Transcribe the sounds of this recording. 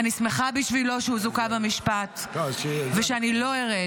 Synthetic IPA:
anismeχabiʃvilo̞ʃeuzukabamiʃpat̪ | veʃeanilo̞eʁe

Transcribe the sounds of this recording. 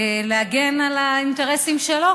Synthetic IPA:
leaɡenalainte̞ʁesimʃelo

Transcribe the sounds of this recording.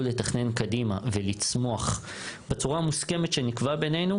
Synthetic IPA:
ule̞taχne̞nkadimave̞lit͡smo̞aχ | bet͡suʁamuske̞metʃe̞nikvabe̞ne̞jnu

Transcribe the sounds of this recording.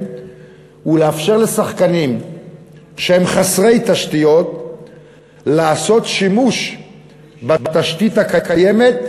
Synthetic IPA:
uleafʃe̞ʁle̞saχkanim | ʃehe̞mχasʁe̞jt̪aʃtijo̞t̪ | laːso̞t̪ʃimuʃ | babat̪aʃt̪it̪hakakaje̞me̞t̪̚

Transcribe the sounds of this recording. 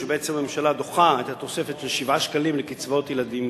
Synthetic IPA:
ebeet͡semamemʃalad̪o̞χaajt̪at̪o̞se̞fet̪ʃelʃivaʃkalimlekit͡svot̪jelad̪im

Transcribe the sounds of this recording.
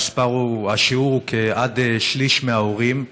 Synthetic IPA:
spaʁuaʃiuʁukʰeadeʃliʃmeaoʁim

